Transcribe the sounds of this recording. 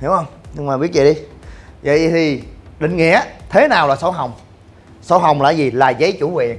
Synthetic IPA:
hi˨˦əwhə˧wŋ͡mɲɨ˧ŋmaː˨˩ɓi˦˥t̚t͡ɕḭ˧˨˩ɗi˧və̰˧˨jt̪ʰi˨˩ɗï˧˨ŋ̟ŋḭ˧˨ət̪ʰe˨˦naː˨˩wlaː˨˩sə˨˦wɦə˨˩wŋ͡m | sə˨˦wɦə˨˩wŋ͡mlaː˧˩zi˨˩laː˨˩zə˨˦jt͡ɕu˧˩we˨˩ŋ

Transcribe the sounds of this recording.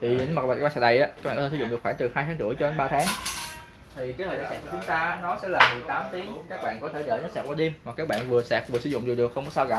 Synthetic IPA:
t̪ʰi˨˩˨n˧mː˨˩˨ɓaː˧˨˦ɓːsɛː˨˧˩ɗə˨˩jʔaː˨˦aː˦˥a̰ː˧˨˧sz̰xwːŋt͡ɕ̪ɨ˨˩haː˧jt̪ʰaː˨˦ŋt͡ɕɨ̰˧˩əjt͡ɕɔ˧ə˧nɓaː˧t̪ʰaː˨˦ŋ | t̪ʰi˨˩kaː˦j̪əː˨˩ɗaː˧˨˩sɛ̰ː˧˨˩ku˧˩t͡ɕʊ˨˦ŋ͡mt̪aː˧a˨˦nɔ˨˦sɛ̰˧˥laː˨˩mɨ˨˩t̪aː˨˦mt̪i˨˦əŋkaː˦˥k̚ɓa̰ː˧˨nkɔ˨˦t̪ʰe˧˩ɗəː˧˩˦ɲə˦˥saː˧˨˩waː˧˩ɗ̪i˧mvaː˨˩kaː˦˥k̚ɓa̰ː˧˨nvɨ˨˩əsɛ˨˩p̚vɨ˨˩sɨ˧˦zʊ̰˧˨ŋ͡mzi˨˩ɗɨ˨˩ək̚xə˧wŋ͡mkɔ˨˦saː˧wɣɔ̰˧˨

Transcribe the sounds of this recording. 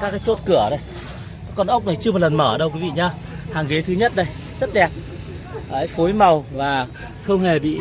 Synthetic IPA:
kaː˦˥kːaː˨˦jt͡ɕo˦˥t̚kɨ˧˩əɗə˨˧j | kːɔ˧nʔə˦˥wk͡p̚na˨˩jt͡ɕɨ˧mɔ˨˩lə˨˩nməː˧˩ə˧˩ɗə˧wki˨˦ḭ˧˨ɲaː˧ | haː˨˩ŋɣe˨˦t̪ʰɨ˨˦ɲə˦˥t̚ɗə˧j | zə˦˥t̚ɗɛ˨˩p̚ː | ʔa˧˦˥jfo˨˦jma˨˩wvaː˨˩ | xə˧wŋ͡mhe˨˩ɓḭ˧˨

